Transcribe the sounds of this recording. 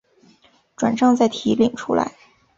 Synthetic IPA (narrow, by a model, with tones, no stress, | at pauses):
ʈ͡ʂwa˨˩nʂɑ˥˧ŋt͡sa˥˩ɪt̪ʰi˧˥li˨˩ŋʈ͡ʂʰṵ˥la̰˧˥ɪ